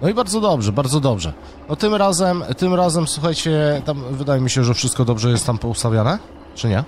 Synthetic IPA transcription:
nɔibaɾd̪zɔd̪ɔbʐɛbaɾd̪zɔd̪ɔbʐɛ̰ | nɔt̪ɘmɾazɛmt̪ɘmɾazɛmswuxajt͡ɕɛt̪amvɘd̪ajɛmʲiɕɛʐɛfʂɘst̪̚kɔd̪ɔbʐɛjɛst̪ːampɔust̪avʲjanɛ | t͡ʂɘɲɛ

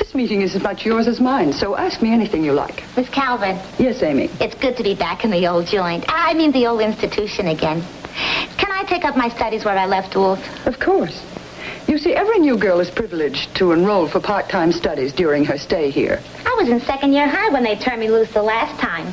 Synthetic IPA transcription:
ðɪsmiɾɪ̃ŋɨzɨzmʌt͡ʃjɔɹzɨzmãɪ̃nsoʊʔæsk̚miɛniθɪ̃ŋjɨla̰ɪkmɪskʰælˠvɨ̃njɛsẽɪ̃mḭɨtsɡ̥ʊd̚tʰɨbibækɨ̃nðioʊlˠd̚d͡ʒɔ̃ɪ̃ntaɪmĩnðioʊlˠdɪ̃nstɨtʰʉʃɨ̃nɨɡɛ̃n | kʰɨ̃ñaɪtʰeɪkʌp̚maɪstʌɾizwə˞aɪlɛftɔθ | ʌv̥kʰɔɹs | jɨsiʔɛvɹinjʉɡɜ˞lˠɨz̥pʰɹ̥ɪvl̩ˠɪd͡ʒtʰəə̃nɹoʊlˠfə˞pʰɑɹk̚tʰãɪ̃mstʌɾizdʊɹɪ̃ŋə˞steɪhḭɹ | aɪwʌzɨ̃nsɛkɨ̃ndjɪɹɦaɪwə̃nðeɪtʰɜ̃˞nmilusðəlæstʰãɪ̃m

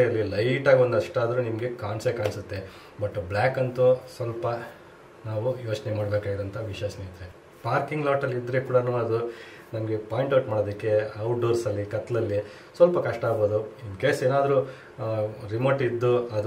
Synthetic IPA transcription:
ɐlːilɐjʈaːɡond̪ɐʂʈaːd̪ɾunimɡe̞kaːɳsekaːɳsut̪ːe | bɐʈːblaːkɐnt̪usʋɐlpɐ | naːʋujo̞ːt͡ʃnemaːɽbeːkaːɡid̪ɐnt̪ʰɐʋiʃɐːsniːt̪ɾe | paːɾkiŋɡlaːʈɐlid̪ɾekuːɽɐnuːɐd̪u | nɐmɡe̞paːjiɳʈɐwʈmaːɽoːd̪ɐkːe̞ɐwʈ̚ɖoːɾsɐlːikɐt̪ːlɐlːi | sʋɐlpɐkɐʂʈɐaːboːd̪uimkeːseːnaːd̪ɾu | ɾimoːʈid̪ːuɐd̪

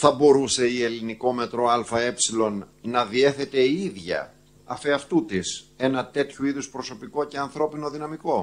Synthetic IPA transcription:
θɐbo̞ɾuse̞ie̞liniko̞me̞t̪ɾo̞ɐlfɐe̞psilo̞nː | ɐðie̞θe̞t̪e̞iiðʝɐ̰ | ɐfeɐft̪ut̪ise̞nɐt̪e̞t̪çuiðuspɾo̞so̞piko̞ce̞ɐnθɾo̞pino̞ðinɐmiko̞

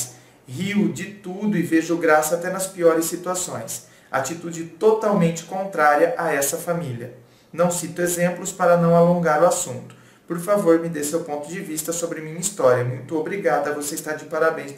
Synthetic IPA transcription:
s | hiwd͡ʒɪt̪ud̪ʊɪveʒʊɡɾasɐat̪ɛnɐspiɔɾɪsːit̪uasõ̰j̃s | a̰t͡ʃit̪ud͡ʒɪt̪ot̪awmẽnt͡ʃɪ̥kõnt̪ɾaɾiɐʔaɛsɐfamiljɐ | nɐ̃w̃sit̪ʊezẽmplʊspaɾɐnɐ̃w̃alõŋɡaɾʊasũnt̪ʊ̥ | poɾfavoɾmɪd̪esewpõnt̪ʊd͡ʒɪvist̪ɐsobɾɪmĩɲɐist̪ɔɾjɐɛmũj̃t̪ʊobɾiɡad̪ɐvoseist̪aɾd͡ʒɪpaɾabẽj̃s

